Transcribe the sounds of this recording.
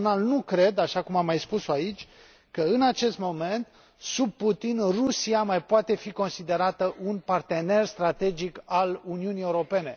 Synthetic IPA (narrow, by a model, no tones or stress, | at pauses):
nalnukɾe̞d̪aʃakumamːajspusoait͡ʃʲ | kəɨnat͡ʃe̞st̪mo̞me̞nt̪ | sub̚put̪inrusiamajpoat̪e̞fiko̞nsid̪e̞ɾat̪əʔunpart̪e̞ne̞rst̪ɾat̪e̞d͡ʒikaluniunije̞uɾo̞pe̞ne̞